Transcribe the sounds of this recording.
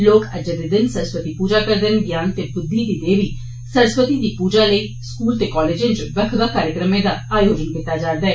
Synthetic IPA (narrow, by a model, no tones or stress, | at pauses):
loːkəd͡ʒd̪ed̪ɪnsəɾspət̪iːpuːd͡ʒaːkəɾd̪ɪnɡjaːnt̪ebʊd̪ʱːid̪iːd̪eːʋiː | səɾspət̪id̪iːpuːd͡ʒaːləi | skuːlt̪eːkɔːleːd͡ʒẽt͡ʃʋəkʰd̪akaːɾjəkɾəmẽːd̪aːaːjoːd͡ʒənɡɪt̪aːd͡ʒaːd̪aːɦɛː